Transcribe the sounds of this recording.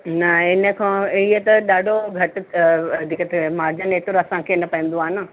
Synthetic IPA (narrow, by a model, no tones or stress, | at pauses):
nɐɪnə̆kʰãːiɦet̪ɐɗaːɖʱoɡʱɐʈ | d̪ʱikət̪ʰemaːɾd͡ʑəneːʈʊɾɐsãkʰeːɪnəpɐ̃ə̃n̆d̪oaːɦnə